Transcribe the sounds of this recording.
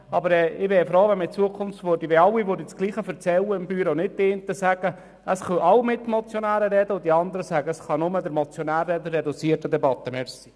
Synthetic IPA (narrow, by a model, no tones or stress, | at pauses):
ɑbəɾɛːɪʋɛːɾfɾoːʋɛnmət͡suəkʰʊmftvʋʊɾdiʋeɑlːiʋʊɾdit͡ssɡ̥liːχəfɛɾt͡sɛlːəɪmb̥yːɾonɪt̚deːnt̪əsæɡ̥ə | ʔəsχœʔɑwmɪt̪ːmɔt͡sjɔnæːɾəɾɛd̪əʊd̪iɑnd̪əɾəsæɡəəsχɑnʊməd̪əɾmɔt͡sjonæːɾɛd̪ərːɛd̪ut͡siətəd̪ɛbɑt̪ːəmɛɾsi̥